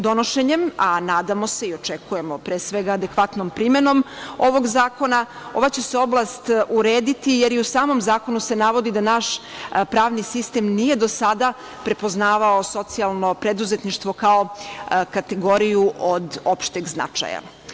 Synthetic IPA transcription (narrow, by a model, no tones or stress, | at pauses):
d̪o̞no̞ʃe̞ɲe̞manaːd̪amo̞se̞io̞t͡ʃekuje̞mo̞pɾeːsʋeɡaːd̪e̞kʋat̪no̞mpɾime̞no̞mo̞ʋo̞ɡzaːko̞na | o̞ʋat͡ɕe̞se̞o̞blast̪uɾeːd̪it̪ije̞ɾjeusaːmo̞mzaːko̞nuse̞naʋo̞d̪id̪anaʃpɾaːʋnisist̪emnije̞d̪o̞sad̪a | pɾe̞po̞znaːʋao̞so̞t̪sialˠno̞pɾed̪uzet̪niʃt̪ʋo̞kao̞kat̪e̞ɡo̞ɾijuʔod̪o̞pʃt̪eɡzna̰t͡ʃa̰ja̰